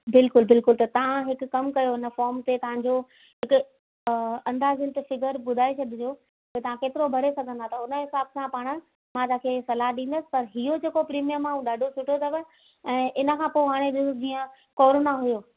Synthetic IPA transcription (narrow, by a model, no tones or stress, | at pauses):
bɪlkʊlbɪlkʊlt̪ɐt̪ɐʋ̤ãɦɪkʊːɐmkɐjoɪnə̆fɔːɾmt̪et̪ɐʋ̤ãɲd͡ʑo | ɦɪkʊ | ɐ̃nd̪aːzɪnt̪ɐfɪɡəɾɓʊd̪ʱaːet͡ɕʰɐd̪ʱɪd͡ʑoː | kɐt̪ɐʋ̤ãkeːt̪ɪɾobʱɐɾesɐɡʱə̃nd̪ʱat̪ɐʊnə̆ɦɪsaːbsãpaːɽ̃ə̆ | mãt̪ãːkʰesɐlaɦɗĩːn̆d̪əsɪ̥̆pɐɾɦiod͡ʑeːkopɾiːmijəmːãɦũːɗaːɖʱosʊʈʰot̪ʰɐʋə | ɛ̃ːʔɪnə̆kʰãːpoːɦaːɽ̃eɗɪsd͡ʑiːə̃ | kɔːɾoːnaɦʊjoː